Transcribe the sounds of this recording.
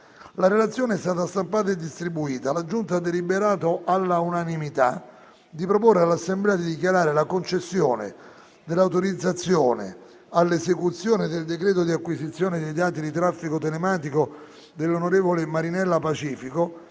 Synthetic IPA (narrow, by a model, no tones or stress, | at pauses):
laɾelat̪sːjoːneɛst̪aːt̪ast̪ampaːt̪aed̪ːist̪ɾibuiːt̪alad͡ʒunt̪ad̪elibeɾaːt̪oʔalːaunanimit̪a̰ | d̪ipɾoporːealːasːemblɛːad̪id̪ikjaɾaːɾelakont͡ʃesːjoːnḛ | d̪elːawt̪oɾid̪zːat̪sːjoːnḛ | alːesekut̪sːjoːned̪eld̪ekɾɛːt̪̬od̪iakːwisit̪sːjoːned̪ejd̪aːt̪id̪it̪ɾafːikot̪elemaːt̪iko | d̪elːonoɾeːvolemaɾinɛlːapat͡ʃiːfiko